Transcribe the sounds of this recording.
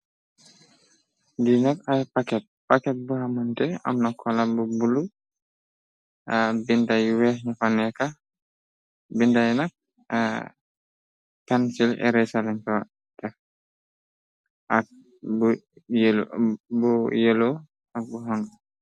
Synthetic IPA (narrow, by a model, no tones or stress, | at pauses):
dinakajpakɛt̚pakɛt̚buhamɔntɛa̰mnɔkʰːɔlabɔbulu | abindajwɛɲafanɛka | bindajnak̚ | a̰ | kansilɛ̰ɾɛsalɛŋtɔwa | tɛ | ʔak̚ | bj | bɔjɛlɔ | ak̚buɦɔŋɡa